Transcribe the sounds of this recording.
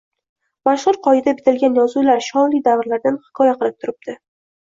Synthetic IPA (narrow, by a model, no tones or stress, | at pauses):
maʃʁʊɾqʰɒɪd̪abɪt̪ʰɪlɡʲanjɒzulaɾʃɒnlijd̪avɾlaɾd̪anhɪ̥kʰɒjaqʰɨlˠɪp̚t̪ʰʊɾɪb̚d̪̥ɪ